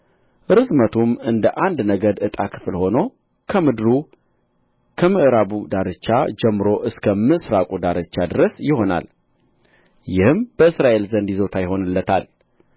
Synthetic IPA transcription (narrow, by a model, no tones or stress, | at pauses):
ʔɨɾɨzmət̪ʰumɨnd̪əʔand̪nəɡəd̪ɨt̪ʼakʰɨ̥flho̞no | kʰəmɨd̪ɾu | kʰəmɨʔɾaβud̪aɾɨt͡ʃːad͡ʒɛmːɨɾo̞ʔɨskʰəmɨsɾakʼud̪aɾɨt͡ʃːad̪ɨɾəsjɪho̞na̰l | jɪhɨmb̥əɨsɾaʔe̞lzənd̪izo̞t̪ʰajɪɦo̞nɨlːət̪ʰa̰l